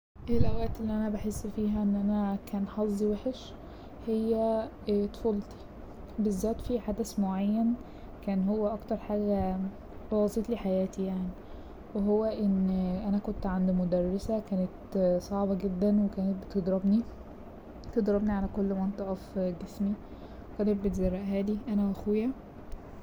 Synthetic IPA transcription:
ʔelʔæwæːt̪elːiʔænæbaħesːfiːɦæʔenːʔænækæːnħɑzˤːiweħeʃ | hejːæ | t̪folt̪ˤi̥ | bezːæːt̪fiħad̪æsmoʕajːæn | kæːnhowːæʔɑkt̪ɑɾˤħaːɡæ | ɑwɑsˤet̪ˤliːħajæːt̪ʰijaʕni | weɦowːæʔenːʔænækont̪ʕand̪imod̪ærˤːesækæːnet̪sˤɑʕbɑɡed̪ːænwekæːnet̪̚bet̪ed̪ɾɑbni | t̪ed̪ɾˤɑbniʕalækolːment̪ˤɑʔɑfɡesmi | wekæːnet̪̚bet̪zɑrːæʔɦæːd̪iʔænæʔæxwejæ

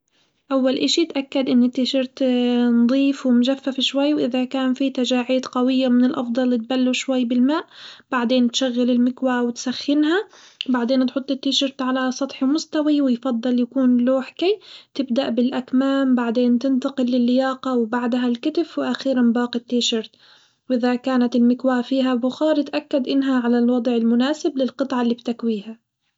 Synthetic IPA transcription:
ʔawːalʔaʃit̪ʔakːad̪ʔɪnːɪt̪ːɪʃɪɾt̪nd̪ˤiːfwɪmʒafːafʃwajːwʔɪðakaːnfit̪ad͡ʒaːʕiːd̪qawɪjːamɪnɪlʔɑfd̪ˤɑlːɪt̪̚balːuʃwajːbɪlmaːʔb̥aʕd̪eːnt̪ʃaɣːalɪlmɪkwawɪt̪saxːɪnɦa | baʕd̪eːnt̪ħʊt̪ˤːɪt̪ːɪʃɪɾt̪ʕalasˤɑt̪ˤħmʊst̪awiwɪjfɑd̪ˤːɨljakuːnloːħkajt̪ɪbd̪aʔbɪlʔakmaːmbaʕd̪eːnt̪ɪnt̪ɑqɪlːɪlːɪjɑːqɑwbaʕd̪ɦalkɪt̪ɪfwɪʔaxiːɾanbɑːqɪt̪ːiːʃɑɾt̪ | wʔɪðakaːnat̪ɪlmɪkwaːfiːɦabʊxɑːɾˤɪt̪ʔakːad̪ʔɪnːɦaʕalalwɑd̪ˤʕɪlmʊnaːsɪblɪlqɨt̪ˤʕɑlːiːbt̪akwiːha

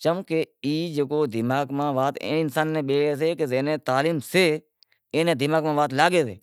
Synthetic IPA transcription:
t͡ʃəmːkeːiːd͡ʒəkoːd̪ɪmaːɡmãːʋaːt̪ḛ̃ːɪnsaːnːẽːɓeːeːs̬eːkezeːnẽːt̪aːliːmseː | ẽːnẽːd̪ɪmaːɡmãːʋaːt̪laːɡeːsḛː

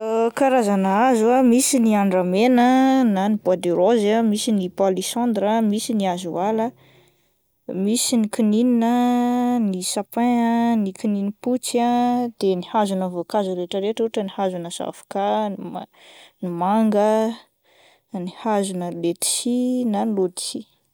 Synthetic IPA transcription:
kaɾazanəazuamisiniaɳɖ͡ʐamenənanibuad̪eɾozamisinipalisɔ̃nd̪ɾəmisiniazualə | misinikinininənisapẽənikininiput͡sad̪̥enihazunəvokazuɾeʈ͡ʂəɾeʈ͡ʂuʈ͡ʂənihazunəsa̰fḁka | nimaŋɡə | nihazunəlet̪i̥sinanlod̪i̥t͡si

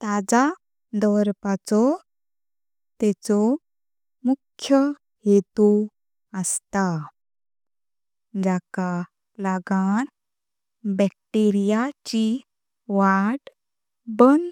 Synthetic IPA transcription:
t̪ad͡za | d̪ɔɾpat͡sɔ | t̪ɛt͡sɔ | mukʰːjə | ɦet̪u | əst̪a | d͡ʑaka | laɡan | bɛk̚ʈeɾijat͡ɕi | ʋaʈ | bən

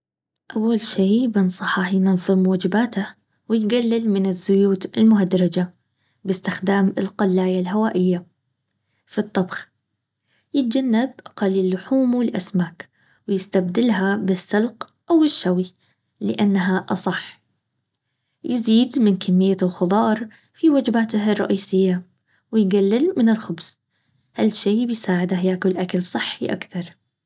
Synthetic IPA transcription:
ʔawːalʃiːbɪnsˤɑħɑħjnɑðˤːɨmwaːd͡ʒɪbaːt̪a | wɪjɡalːɪlmɪnɪzːʊjuːt̪ɪlmʊɦad̪ɾˤɑd͡ʒa | bɪst̪ɪxd̪aːmɪlqɑlːaːjalɦawaːʔɪjːa | fit̪ˤːɑbx | jɪt̪̚d͡ʒanːabʔaqɑlːɪlːʊħuːmwɪlʔa̰smaːk | wɪjɪst̪abd̪ɪlɦabɪsːɑlq | ʔawɪʃːawi | lɪʔanːaɦaʔɑsˤɑħ | jɪziːd̪mɪnkamːɪjːalxʊðˤɑːɾˤ | fiwad͡ʒbaːt̪hɑrˤːɑ̰ʔiːsɪjːa | wɪjɡalːɪlmɪnɪlxʊbs | halːʃeːbɪjsaːʕɪd̪ahjaːkʊlʔakalsˤɨħːiʔa̰kθɑɾˤ

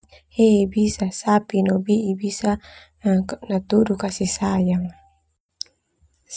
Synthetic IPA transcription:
hebisasapinobiʔibisa | nat̪udukasisajaŋ

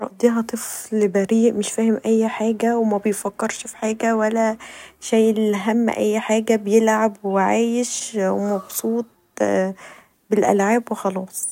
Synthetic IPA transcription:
ɾˤɑ̰ʔd̪iːɦɑt̪ˤeflbæɾiːʔmeʃfæːhemʔæjːħaːɡæwemæbejfækːeɾʃfi̥ħaːɡæwælːæʃæːjeliɦæm̰ːʔæ̰jːħaːɡæbejelʕabweʕaːjeʃwemɑbsˤuːt̪̚ˤ | belʔæ̰lʕaːbwexɑlɑːsˤ

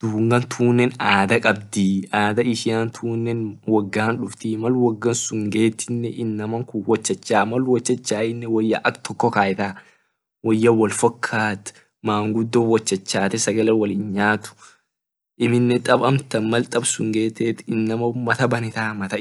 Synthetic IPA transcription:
d̪̥uːŋɡɐnt̪ʰuːnːɛnaːd̪ɐkʼɐb̚d̪iaːd̪ɐɪʃɪant̪ʰuːnːɛnwɐɡːaːnᶑʊft̪ɪmɐlwɐɡːɐnsʊŋɡeːt̪ːɪnːɛʔɪnːɐmɐŋkʊwɔt͡ʃːɐt͡ʃːaːmɐlwɔt͡ʃːɐt͡ʃːaːɪnːɛwɔjːɐʔɐkt̪ʰɔkːɔkaːjɪt̪aː | wɔjːɐwɐlfɐkʰːaːt̪ | maːŋɡʊd̪ːoːwɔt͡ʃːɐt͡ʃːaːt̪ɛsɐɡɐlɛwɐlinɲaːt̪ʊ̥ | ʔɪmɪnːɛt̪ʼɐbɐmt̪ɐnmɐlt̪ʼɐbsʊŋɡeːt̪ɛːt̪ɪnːɐmɐmɐt̪ɐbɐnɪt̪aːmɐt̪ɐ

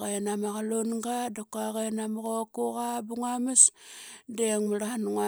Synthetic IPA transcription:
ɣenamaɣalonŋɡadakuaɣenamaɣokuɣabuŋamisdeŋmuɾanuŋa

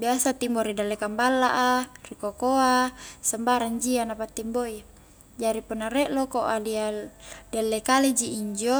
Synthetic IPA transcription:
biasat̪imboɾidalːekambalːaʔarikokoasambaɾand͡ʒianapat̪ːimboi | d͡ʒaɾipunːaɾɛʔlokoʔadi | dalːekaled͡ʒiʔiɲd͡ʒo

